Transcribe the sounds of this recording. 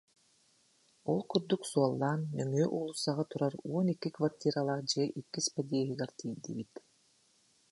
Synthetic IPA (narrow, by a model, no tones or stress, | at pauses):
ɔlˠkuɾd̪uksuɔlˠːaːnːœŋyːʔuːlˠusaʁat̪uɾaɾuɔnikːikvart̪ʲiːɾalˠad͡ʑɛʔikːispad̪ʲiːɛɦiɡɛɾt̪ʲʰiːd̪ḭbit̪